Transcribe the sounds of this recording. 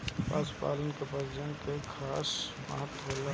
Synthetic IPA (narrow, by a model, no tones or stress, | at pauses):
pa̰spa̰ːlənkepəɾd͡ʒəŋkekʰaːsmə̰ɦət̪wola